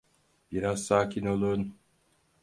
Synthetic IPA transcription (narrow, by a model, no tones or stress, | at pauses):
b̥iɾazsaːcʰino̞lˠun